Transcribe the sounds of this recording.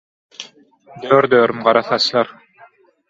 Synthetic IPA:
d̪øːɾd̪œːɾmʁɑɾɑθɑslˠɑɾ

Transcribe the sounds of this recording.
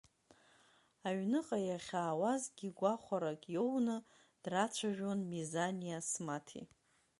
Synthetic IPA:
aɥnɨqʼajaχʲaːwazɡʲiɡʷaχʷaɾakʼjownɨ | d̥rat͡ʃʷʰaʒᶣonmizanijasmatʰḭ

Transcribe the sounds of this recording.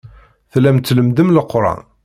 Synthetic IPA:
θlːæmt̪ːləmd̪əmləqːɾˤɑ̰n

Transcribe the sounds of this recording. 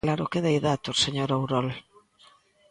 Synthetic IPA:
laɾʊkeðejðat̪oseɲoɾowɾɔl

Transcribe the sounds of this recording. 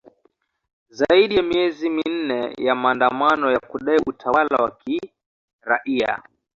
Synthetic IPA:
zaiɗijamiɛzimin̩nɛ̰jamaːndamanɔjakuɗaiʔutʰawala̰waki | ɾaʔia̰

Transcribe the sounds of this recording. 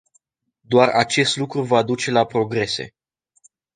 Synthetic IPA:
d̪oarat͡ʃe̞st̪lukɾuvad̪ut͡ʃe̞lapɾo̞ɡɾe̞se̞̰

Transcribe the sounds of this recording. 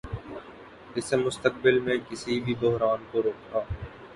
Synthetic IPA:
ɪsmʊst̪ək̚bɪlmẽːkɪsibʱibʊɦɾaːnkoɾoːkaː

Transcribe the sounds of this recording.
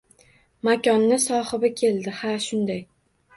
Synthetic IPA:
makʲɒnːɪsɒhɨbɪkʲʰe̞ld̪ɪhaʃʊnd̪aj

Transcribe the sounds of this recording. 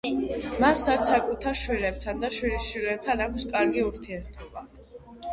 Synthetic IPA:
masaɾt̪sʰakʼut̪ʰaɾʃwilɛb̥̚t̪ʰand̪aʃwilisʃwilɛb̚t̪ʰanakʷʰskʼaɾɡiuɾt̪ʰiɛɾt̪ʰɔba

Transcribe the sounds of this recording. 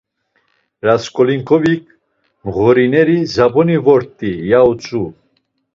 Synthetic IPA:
ɾaskʼɔliŋkʰʼɔvikʰ | mʁɔɾinɛɾizapʰʼɔnivɔɾt̪ʼijaut͡sʼu

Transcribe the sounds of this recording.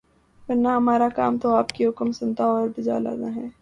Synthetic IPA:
ʋɐɾnaɦɐmaːɾakaːmt̪oaːpkiɦʊkmsʊ̃nt̪aɔːɾbɪd͡ʒa̰ːla̰ːd̪a̰ɦɛː

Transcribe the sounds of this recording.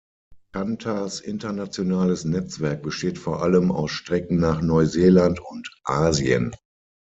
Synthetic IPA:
kʰantʰasʔɪ̰ntɐnat͡sjonaːləsnɛt͡sv̥ɛɐk̚b̥əʃteːtfoːɐʔaləma̰ʊsʃtʁ̥ɛk̚nŋ̩naːχnɔʏzeːlantʊntʔaːziə̰n

